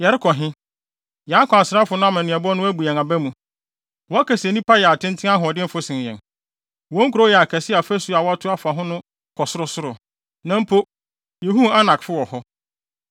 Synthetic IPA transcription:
jɛ˨ɾɪ˦kʰɔ˨ɦɪ̃˦ | jã˨˦kʰɔ̃˨a˨sɪɾa˦fʊ˨nʊ̃˦a˦mã˨nɪ̃˨ɛ˨bɔ˦nʊ̃˦æ˦bu˨ã˨ŋa˨bæ˦mũ˨ | wɔ˨˦a˦kʰæ˨sɛ˨nĩ˦pʰa˦jɛ˨a˨tʰɪ̃˦n˦tʰɪ̃˦ã˦ɦʊ˨ɔ˨dɪ̃˦m̩˦fʊ˦sɪ̃˨n˨jɛ̰̃˨n | wɔ̃˦ŋ˦kʰu˨ɾo˦jɛ˨a˨kʰɛ˨sɪ˦a˨fæ˦su˦a˨wɔ˨˦a˦tʰʊ˦a˨˦fa˨ɦʊ̃˦nʊ̃˦ | kʰɔ˨sʊ˦ɾʊ˦sʊ˦ɾʊ˨ | nã˦m̩˦pʰo˦ | je˨ɦũ˦a˦nã˨kfʊ˦wɔ˨hɔ˦

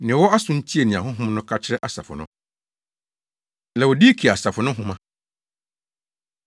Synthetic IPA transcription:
nɪ̃˨wɔ˦a˦sʊ̃˦n̩˦tʰi˦e˨nɪ̃˨a˨ɦʊ̃˦ɦʊ̃˦mnʊ̃˦kʰa˦t͡ɕʰɪ˦ɾɛ˦ʔa˨sa̰˨fʊ̰˨nʊ̰̃˦ | lɛ˨wɔ˨diː˦kʰi˨a˨sa˨fʊ˨nʊ̃˦ɦʊ̃˦mã˨

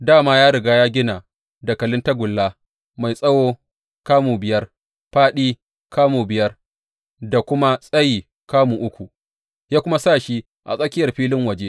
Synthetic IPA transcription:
daː˦˨maː˦jaː˦ɽɪ˨ɡaː˦jaː˦ɡʲɪ˦na˨ | da˨kɐ˨lɪ˦nta˦ɡʷʊ˨lːaː˦ | ma˨jsʼɐ˦woː˦ | kaː˦muː˨bɪ˨jɐ˦r | ɸaː˦ɗiː˦ | kaː˦muː˨bɪ˨jɐ˦r | da˨kʷʊ˦ma˦sʼɐ˦jiː˨ | kaː˦muː˨ʔʊ˦kʷu˨ | jaː˦kʷʊ˦ma˦sa˦˨ʃi˦ | ʔa̰˨sʼɐ˦kʲɪ˦jɐ˨rɸiː˦lɪ˦ŋwɐ˨d͡ʒe˦

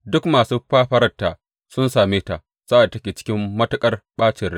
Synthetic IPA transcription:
dʊ˦kmaː˨suː˦ɸaː˦ɸɐ˦ɾɐ˦tːaː˨ | sʊ˦nsaː˨meː˦ta˨ | sa˦ʔa˨tɐ˦kʲeː˨t͡ʃɪ̥˦kʲɪ˦mːɐ˦tɐ˦kʼɐ˦rɓaː˦t͡ʃɪ˨rɽ

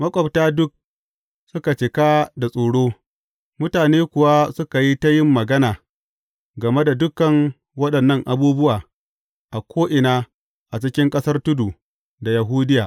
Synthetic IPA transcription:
mɐ˦kʷʼɐ˨btaː˦dʊ˦k̚ | sʊ˦ka˨t͡ʃɪ˨kaː˦da˨sʼoː˨ɽoː˦ | mʊ˦taː˨neː˦kʷʊ˨wa˦sʊ˦ka˨ji˦ta˦jɪ˦mːɐ˨ɡɐ˦naː˨ | ɡɐ˨me˦da˨dʊ˦kːɐ˨ŋ | wɐ˦ɗɐ˨nːɐ˦ŋʔa˨buː˦bʊ˦waː˨ | ʔa˨kʷʰoː˦ʔɪ˨naː˦ | ʔa˨t͡ʃɪ˦kʲɪ˦ŋkʼɐ˦sɐ˦rtʊ˦du˨ | da˨ja˨ɦuː˦dɪ˦jaː˨ʔ

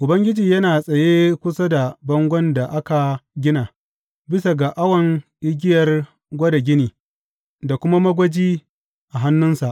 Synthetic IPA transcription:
ʔʊ˨bɐ˦ŋɡʲɪ˦d͡ʒiː˨jɐ˦naː˨sʼɐ˨jeː˦kʷʊ˦sa˦da˨bɐ˦ŋɡʷɔ˦nda˨ʔa˦ka˨ɡʲɪ˦naː˨ | bɪ˦sa˨ɡa˨ʔa˦wɐ˨ŋʔɪ˦ɡʲɪ˦jɐ˨r | ɡʷɐ˦da˨ɡʲɪ˦niː˨ | da˨kʷʊ˦ma˦mɐ˦ɡʷɐ˦d͡ʒiː˦ | ʔa˨ɦa˦nːʊ˦nsa˨ʔ

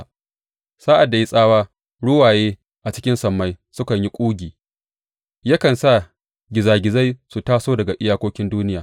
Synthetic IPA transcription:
saː˦ʔa˨dːa˨ji˦sʼaː˦waː˦ | ɽʊ˦waː˨jeː˦ | ʔa˨t͡ʃɪ̥˦kʲɪ˦nsɐ˨mːa˦j | sʊ˦kɐ˨ɲji˦kʷʼuː˦ɡʲiː˨ | ja˦kɐ˨nsa˦˨ | ɡʲɪ˨zaː˨ɡʲɪ˨za˦jsu˨taː˦soː˦dɐ˨ɡa˨ʔɪ˦jaː˦kʷoː˦kʲɪ˦nduː˦nɪ˦jaː˨

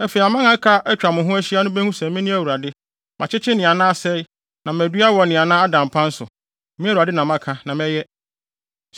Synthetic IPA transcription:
æ˦fe˨i˨a˨mã˦ŋã˨˦kʰa˦æ˦t͡ɕᶣa˨mʊ̃˨ɦʊ̃˦æ˦ɕi˦a˦nʊ̃˦bæ˦hʊ̃˦sɛ̃˨˦mĩ˦nɪ̃˦æ˨wu˨ɾa˨dɪ˦ | mʔã̰˨t͡ɕʰɪ˦t͡ɕʰɪ˦nɪ̃˨a˨nãː˦a˦sɛ˦ɪ˦ | nã˨mæ˨dɥa˦wɔ˨nɪ̃˨a˨nã˦a˦dã˨m˨pʰã˦n̩˦sʊ̰˨ | mĩ˦æ˦u˨ɾa˨dɪ˦nã˨mã˦kʰa˨nã˨mɛ̃˦jɛ˦

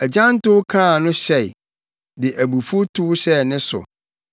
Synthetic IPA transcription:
ɛ˨d͡ʑã˦n˦tʊ˦wkʰãː˦˨nʊ̃˦ɕɛ˦˨ɪ˨ | dɪ˨ʔæ˨bu˨fʊ˦tʰu˦wɕɛ˦˨nɪ̃˦sʊ̰˨

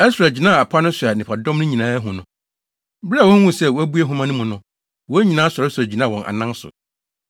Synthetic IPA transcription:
ɛ˦sʊ˨ɾa˨d͡ʑi˨nãː˦˨a˨pʰa˦nʊ̃˦sʊ˨a˨nɪ̃˨pʰa˨dɔ̃˦mnʊ̃˦ɲĩ˨nãː˦æ˦ɦʊ̃˨nʊ̃˦ | bɾa˦˨wɔ̃˦wũ˦˨sɛ˦˨wæ˦bu˦ɛ˦ɦʊ̃˦mã˦nʊ̃˦mʊ̃˨nʊ̃˦ | wɔ˦ɲĩ˨nãː˦sɔ˨ɾɪ˦sæ˨d͡ʑi˨nã˦˨wɔ̃˨nʔa̰˨nã˦n˦sʊ̰˨

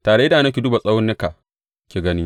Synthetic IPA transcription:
taː˨ɽe˦da˨na˦kʲi˨du˦ba˨sʼɐ˦wʊ˦nːɪ˦ka˨ | kʲeː˨ɡɐ˦ni˦

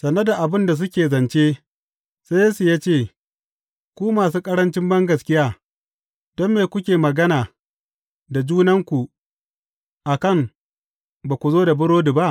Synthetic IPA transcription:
sɐ˨nɐ˦da˨ʔa˨bɪ˦nda˨s̬ʊ˦kʲeː˨zɐ˨nt͡ʃe˦ | se˦jeː˦su˨jaː˦t͡ʃeː˦˨ | kʷuː˦maː˨s̬uː˦kʼɐ˦ɽɐ˦nt͡ʃɪ˦mbɐ˦ŋɡɐ˨skʲɪ˦jaː˦ | d̥ɔ˦mːeː˨kʷʊ˦kʲeː˨mɐ˨ɡɐ˦naː˨ | da˨d͡ʒuː˦nɐ˦ŋkʷu˨ | ʔa˨kɐ˦˨ŋ | baː˨kʷu˨zoː˦da˨bʊ˦ɽoː˦du˨ba˦ʔ

